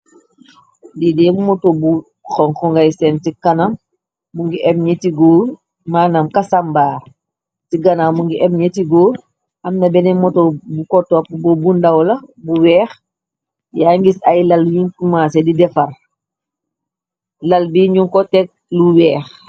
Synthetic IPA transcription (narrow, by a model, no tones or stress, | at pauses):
didɛmmɔtobu | xɔŋxɔŋɡajsɛntikanamː | uŋɡiʔɛb̚ɲetiɡoː | maːnamkasambaːɾ | tiɡanaːmːuŋɡiʔɛbɲetiɡoː | ɐmnɐbɛnɛmɔtobukɔtːɔpbɔbundawlɐbuwɛːx | jaŋɡisajlalwinkumaːsedidɛfɐɾ | lɐlbiɲuŋkɔtɛk̚luwɛːx